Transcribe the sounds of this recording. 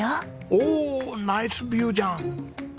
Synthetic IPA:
a | oːnaɪsbjuːd͡ʒãːn

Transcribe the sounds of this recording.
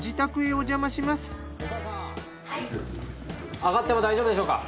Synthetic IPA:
d͡ʑit̪akɯ̟iod͡ʑamaɕimasɨ̥ | aɡat̪ːe̞mod̪aiʑobɯd̪e̞ɕo̞ːka̰

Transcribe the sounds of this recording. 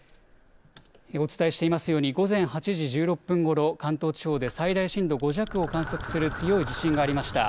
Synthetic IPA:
eo̞t͡sɨ̥t̪aeɕi̥t̪e̞imasɨjo̞ːɲ̟iɡo̞zẽ̞ɰ̃hat͡ɕiʑiʑɨːɾo̞pːɯ̟̃ŋɡo̞ɾo̞kãnt̪o̞ːt͡ɕi̥ho̞ːd̪e̞said̪aiɕĩnd̪o̞ɡo̞ʑakɯ̟o̞kãɰ̃so̞kɯ̟sɨɾɯ̟t͡sɨjo̞iʑiɕĩŋɡaːɾʲimaɕi̥t̪a̰

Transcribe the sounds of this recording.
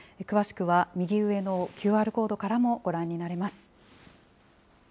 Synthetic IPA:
ekɯ̟βaɕi̥kɯ̟βamʲiɡʲiɯ̟e̞no̞kʲɨːaːɾɯ̟ko̞ːd̪o̞kaɾamo̞ɡ̥o̞ɾãɲ̟ːinaɾe̞masɨ̥

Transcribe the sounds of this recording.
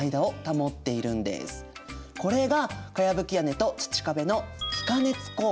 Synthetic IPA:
id̪ao̞t̪amo̞t̪ːe̞iɾɯ̟̃nd̪e̞̰sɨ̥ko̞ɾe̞ɡakajabɯ̟kʲiane̞t̪o̞t͡ɕi̥t͡ɕi̥kabe̞no̞si̥kane̞t͡sɨ̥ko̞

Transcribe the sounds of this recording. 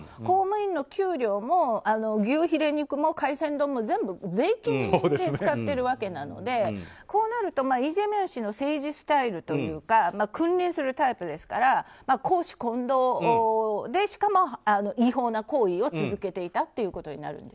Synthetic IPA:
ko̞ːmɯ̟ĩnːo̞kʲɨːɾʲo̞ːmo̞ano̞ɡʲɨːçiɾe̞ɲ̟ikɯ̟mo̞kaisẽ̞nd̪o̞ːmo̞zẽ̞mbɯ̟d͡ze̞ikʲĩsi̥d̪eɨkat̪ːe̞ɾɯ̟βake̞nano̞̰d̪e̞ko̞ːnaɾɯ̟t̪o̞maːiʑemẽ̞ɰ̃ɕino̞se̞ːʑisɨ̥t̪aiɾɯ̟t̪o̞jɯ̟ːkamakɯ̟̃nɾʲẽɰ̃sɨɾɯ̟t̪aipɯ̟d̪e̞sɨ̥kaɾamakʰo̞ːɕi̥kõ̞nd̪o̞ː | d̪e̞ɕi̥kamo̞ano̞ʔiɦo̞ːnako̞ːio̞t͡sɨzɨke̞t̪e̞it̪at̪ːe̞jɯ̟ːko̞t̪o̞ɲ̟ḭna̰ɾɯ̟̰̃nd̪es

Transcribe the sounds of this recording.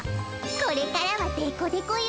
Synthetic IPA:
ko̞ɾe̞kaɾaβat̪eikod̪ekoi

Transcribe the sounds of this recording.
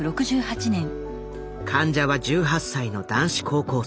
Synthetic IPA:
ɯ̟ɾo̞kɯ̟ʑɨːhat͡ɕinẽ̞ŋ | kʰãɲ̟d͡ʑaβad͡ʑɨːɦasːaino̞d̪ãɰ̃ɕi̥kʰo̞ːko̞ː

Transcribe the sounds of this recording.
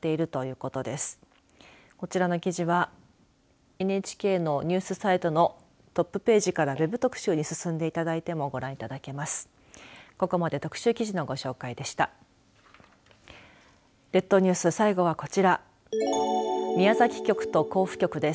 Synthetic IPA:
t̪ːe̞iɾɯ̟t̪o̞jɯ̟ːko̞t̪o̞d̪e̞sɨ̥ | ko̞t͡ɕiɾano̞kʲiʑiβa | enet͡ɕi̥kʲe̞ːno̞ɲ̟ɨːsɨsait̪o̞no̞ | t̪o̞pːɯ̟pe̞ːʑikaɾaβe̞bɯ̟t̪o̞kɯ̟̥ɕɨːɲ̟isɨsɨ̃nd̪e̞it̪ad̪ait̪e̞mo̞ɡo̞ɾãɰ̃it̪ad̪ake̞masɨ̥ | ko̞ko̞mad̪e̞t̪o̞kɯ̟̥ɕɨːkʲiʑino̞ɡo̞ɕo̞ːkaid̪e̞ɕi̥t̪a | d̪e̞t̪ːo̞ɲ̟ɨːsɨsaiɡo̞βako̞t͡ɕiɾa | mʲiazakʲi̥kʲo̞kɯ̟̥t̪o̞ko̞ːɸɯ̟̥kʲo̞kɯ̟d̪e̞̥

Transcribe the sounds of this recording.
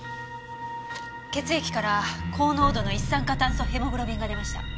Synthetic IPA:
ke̞t͡sɨe̞kʲi̥kaɾakʰo̞ːno̞ːd̪o̞no̞isːãŋkat̪ãɰ̃sohe̞moɡɯ̟ɾo̞bʲĩŋɡad̪e̞maɕi̥t̪a̰

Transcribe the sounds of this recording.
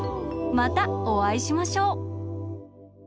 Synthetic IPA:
mat̪aoβaiɕimaɕo̞ː

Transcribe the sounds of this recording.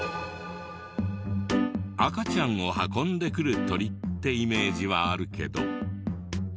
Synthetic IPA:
akat͡ɕãŋ̃o̞hakõ̞nd̪e̞kɯ̟ɾɯ̟t̪o̞ɾʲit̪ːe̞ime̞ːʑiβaːɾɯ̟ke̞̰d̪o̞̰

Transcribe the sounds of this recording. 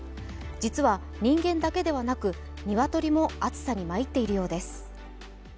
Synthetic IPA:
d͡ʑit͡sɨβa | ɲ̟ĩŋɡẽ̞nd̪ake̞d̪e̞βanakɯ̟ | ɲ̟iβat̪o̞ɾʲimo̞at͡sɨ̥saɲ̟imait̪ːe̞iɾɯ̟jo̞ːd̪e̞sɨ̥

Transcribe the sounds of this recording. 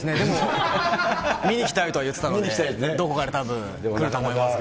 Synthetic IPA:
sɨned̪emo | mʲiɲ̟ikʲi̥t̪ait̪oajɯ̟t̪ːe̥t̪anoit̪aid̪o̞ko̞kaɾet̪abɯ̟̃ | kɯɾɯ̟t̪oːmoimasɨ̥k

